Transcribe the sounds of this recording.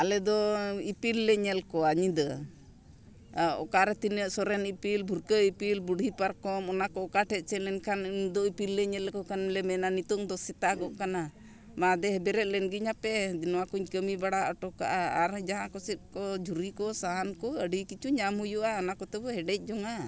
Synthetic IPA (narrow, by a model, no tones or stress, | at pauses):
alɛd̪ɔipilːɛɲɛlkɔaɲid̪ə | ɔ̰kaɾɛt̪inəʔsɔɾɛnipilbʱuɾkəipilbuɖʱipaɾkɔmɔnakɔːkaʈʰɛt̪̚ˀt͡ʃɛlɛnkʰand̪ɔipilːɛɲɛlkɔkanlɛmɛnanit̪ɔŋd̪ɔsɛt̪aɡɔʔkana | mad̪ɛɦɛbɛɾɛt̪̚ˀlɛnɡiɲapɛnɔwakuɲkəmibaɽaʔəʈɔka̰ʔaaɾd͡ʒaɦãkɔsɛt̪̚kɔd͡ʒʱuɾikɔsaɦankɔəɖikit͡ʃuɲamujuʔaɔnakɔt̪ɛbɔɦɛɖɛc̚ˀd͡ʒɔŋa